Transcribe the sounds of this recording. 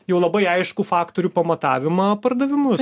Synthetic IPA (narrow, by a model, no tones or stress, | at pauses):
jɛʊlˠɐbɐɪɐɪʃkufɑːkt̪oɾʲuːpɐmɐt̪ɑːʋʲɪmɐpɐrd̪ɐʋʲɪmʊ